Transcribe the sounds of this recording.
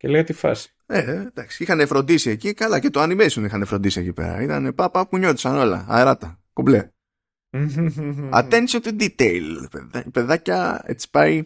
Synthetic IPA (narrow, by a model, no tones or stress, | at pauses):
celeɣɐt̪ifɐ̰si̥ | ed̪ɐksi̥ixɐne̞fɾo̞nd̪isie̞cikalɐce̞t̪oɐnimesunixɐne̞fɾo̞nd̪isie̞cipḛɾɐ̰it̪ɐne̞pɐpɐpuɲo̞t̪i̥sɐno̞lɐ̰ɐ̰eɾɐt̪ɐkoble | ɐ̰t̪ensont̪ud̪it̪eilpḛpe̞ðɐcɐe̞̰t͡si̥pɐi